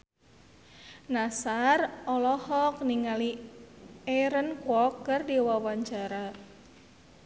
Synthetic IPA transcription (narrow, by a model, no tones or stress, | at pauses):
nasarɔlɔhɔk̚niŋali | ɛɾənkwɔkːərdiwawaɲt͡ʃaɾa